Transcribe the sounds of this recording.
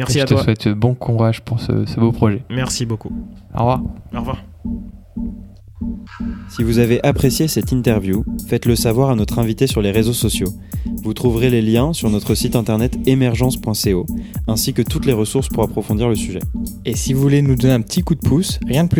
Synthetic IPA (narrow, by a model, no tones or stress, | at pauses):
mɛət̪əswɛt̪bɔ̃kʰuʁaʒpuʁsə̰səbopχɔʒɛmɛʁsiboku | ɔ̰ʁvwaʁɔʁva | sivuzaveʔapχesjesɛt̪ĩnt̪ɛʁvjufɛt̪ləsavwaʁanɔt̪χɛ̃vit̪esyʁleʁezosɔsjo | vut̪χuvʁeleljɛ̃syʁnɔt̪χəsit̪ɛ̃t̪ɛʁnɛt̪emɛʁʒɑ̃spwɛ̃seoɛ̃sikət̪ut̪leʁəsuʁspuʁapχɔfɔ̃d̪iʁləsyʒɛ̰esivuvulenud̪ɔnɛ̃pət̪ʰikud̪̚pʰusʁjɛ̃d̪əply